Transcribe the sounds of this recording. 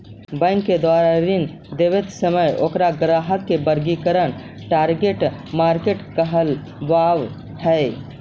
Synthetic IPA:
bə̃ŋkːed̪aɾaɾin | d̪ebet̪səməjokɾaɡɾaɦəkːebəɾɡikəɾən | ʈaɾɡeʈmaɾkeʈkəɦəl | baʋ | hɛ

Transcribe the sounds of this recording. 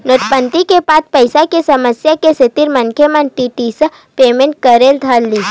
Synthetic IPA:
noʈpənt̪ikepaːt̪̚pəɪsakesɐməsjakeset̪iɾmənkʰemənʈiʈiːsə | peːmẽɳʈ̚kəɾeːld̪ʱalːiː

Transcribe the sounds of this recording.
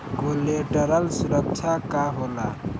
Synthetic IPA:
kolɛʈaɾalsuɾak̚t͡ʃʰakaɦʊla

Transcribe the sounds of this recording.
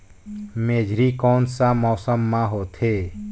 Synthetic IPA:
meːd͡ʒʱɾiːkɔːnsamɔːsəmːãɦoːt̪ʰeː

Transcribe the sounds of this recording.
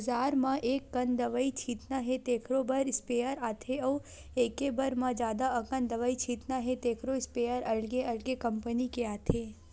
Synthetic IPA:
zaːɾmãʔeːkːənd̪əʋait͡ʃʰiːt̪naɦet̪eːkʰɾobəɾɪspeːjəɾaːt̪ʰeɐ | eːkebəɾmãd͡ʒjaːd̪aəkə̃nd̪əʋait͡ʃʰiːt̪naɦet̪eːkʰɾoɪspeːjəɾɐɭɡeɐɭɡekəmpənikeaːt̪ʰe

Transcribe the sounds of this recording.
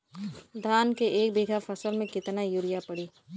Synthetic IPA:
d̪ʱaːnkeʔeːk̚biːɡʱafʰɐsəlmẽkɪt̪najuɾɪjapɐɽiː

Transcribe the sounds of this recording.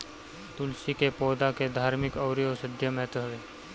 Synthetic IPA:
t̪ʊlsikepoːd̪aked̪ʱaːɾmɪkɐʊɾiosɪd̪ʱjəmɛːt̪ɦɐʋeː

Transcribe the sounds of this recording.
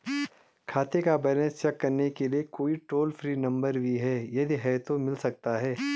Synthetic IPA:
kʰaːt̪ekabɛːnə̃st͡ʃɛkːɐɾnekeliekoːiʈoːlfʰɾiːnɐ̃mbəɾbʱiɦɛːjɐd̪ʱiɦɛt̪omɪlsɐk̚t̪aɦɛː

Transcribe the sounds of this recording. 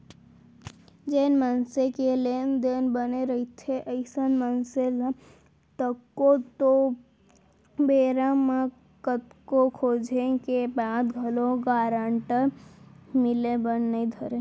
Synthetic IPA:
d͡ʒeːnmənsekelend̪eːnbəneɾəɦit̪ʰeʔəɪsənmənsela | t̪əkːot̪o | beːɾãmã | kət̪̚kokʰoːd͡ʒʱẽkebaːt̪ɡʱəloɡaːɾaɳʈəɾ | mɪlebənːəĩd̪ʱəɾe

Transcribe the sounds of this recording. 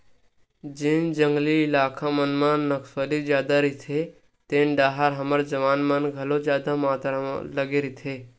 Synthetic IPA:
d͡ʒind͡ʒə̃ŋɡliːlaːkʰamənmanəksəlid͡ʒjaːd̪aɾit̪ʰe | t̪eːnɖaːɦaɾɦɐməɾd͡ʒɐʋaːnmənɡʱɐlod͡ʒjaːd̪amaːt̪ɾ̰ləɡeɾit̪ʰe

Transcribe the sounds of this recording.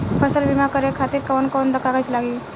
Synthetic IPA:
pʰəsəlbimakəɾekʰat̪iːɾkəʋənkoːnd̪əkaɡat͡ʃlaɡi

